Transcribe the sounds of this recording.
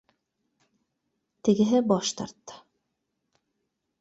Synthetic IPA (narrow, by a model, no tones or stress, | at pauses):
t̪ɘ̆ɡɘ̆ɦɘbɑʃt̪ɑ̰ɾt̪ːɤ̥